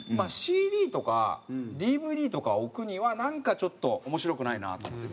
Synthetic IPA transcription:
maɕiːd̪ʲiːt̪o̞ka̰d̪ʲiːbɯ̟ːd̪ʲiːt̪o̞kaokɯ̟ɲ̟iβanãŋkat͡ɕo̞t̪ːo̞omo̞ɕiɾo̞kɯ̟naina̰t̪o̞̰mot̪ːe

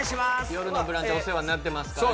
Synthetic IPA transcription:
ɕiajoɾɯnobɯ̟ɾãɲd͡ʑoseβanat̪̬ːe̞massɨ̥ka

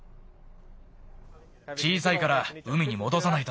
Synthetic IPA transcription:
t͡ɕiːsaikaɾaɯ̟mʲiɲ̟imo̞d̪o̞sanait̪o

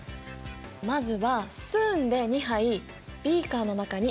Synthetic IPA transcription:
mazɨβasɨ̥pɯːnd̪e̞ɲ̟iɦai | bʲiːkaːno̞nakaɲ̟i

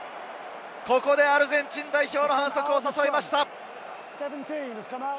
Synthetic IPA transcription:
ko̞ko̞d̪e̞aɾɯ̟zẽ̞ɲt͡ɕĩnd̪aiço̞ːno̞hãñso̞kɯ̟osaso̞imaɕi̥t̪a | sɛvə̃ntʰĩːnɨz̥kʰʌ̃ma

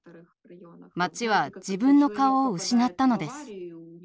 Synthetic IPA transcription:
mat͡ɕiβ̞ad͡ʑibɯ̟̃nːo̞kaoːɯ̟ɕinat̪ːano̞d̪e̞sɨ̥

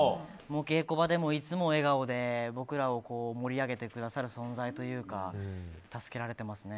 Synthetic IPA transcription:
mo̞ːke̞ːko̞bad̪e̞mo̞it͡sɨmo̞e̞ɡao̞d̪e̞bo̞kɯ̟ɾao̞ko̞ːmo̞ɾʲiaɡe̞t̪e̞kɯ̟d̪asaɾɯ̟sõ̞nd͡zait̪o̞jɯ̟ːkat̪asɨ̥ke̞ɾaɾe̞t̪e̞masɨne̞

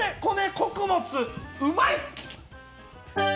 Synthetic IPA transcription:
eko̞neko̞kɯ̟mo̞t͡sɨɯ̟mai

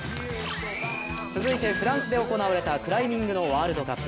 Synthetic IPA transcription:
t͡sɨzɨit̪e̞ɸɯ̟ɾãɰ̃sɨd̪e̞oko̞naβaɾe̞t̪akɯ̟ɾaimʲĩŋɡɯ̟no̞βaːɾɯ̟d̪o̞ka

